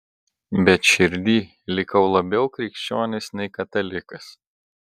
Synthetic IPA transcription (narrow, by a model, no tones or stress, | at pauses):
bʲɛt̪ʃʲɪɾʲd̪ʲiː | lʲɪkɐʊlˠɐbʲɛʊkɾʲɪˑkʃʲt͡ʃʲoːnʲɪsnʲɛɪkɐt̪ɐlʲɪkɐs